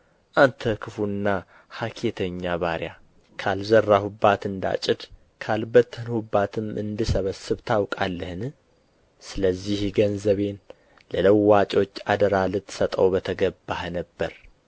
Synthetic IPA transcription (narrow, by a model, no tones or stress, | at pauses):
ʔant̪ʰəkʰɨfunːa | hakʰet̪ʰəɲːaβaɾja | kʰalzərːahubat̪ɨnd̪a̰t͡ʃʼɪd̪ | kʰalbət̪ːhɨnhubːat̪ʰɨmʔɨ̰nd̪ɨsəβəsɨβt̪ʰawkʼalːəhɨn | sɨləzːihɡənzəβe̞n | lələwːat͡ʃʼo̞t͡ʃːad̪əɾalɨt̪sət̪ʼəwbət̪ʰəɡəbːahnəbːəɾ